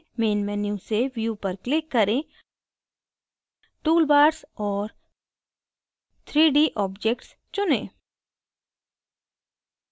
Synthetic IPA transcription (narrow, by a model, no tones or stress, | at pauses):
meːnmɛnjũseʋjupɐɾklɪkːɐɾẽ | ʈuːlbaːʈsɔːɾ | t̪ʰɾiːɖiːʔɔːbd͡ʒekʈs | t͡ʃʊnḛ̃ː